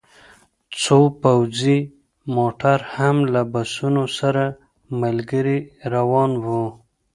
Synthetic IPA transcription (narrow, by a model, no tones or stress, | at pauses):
t͡sopawzi | moʈaɾhamlabasunosaɾa | malɡəɾiɾawɑnwu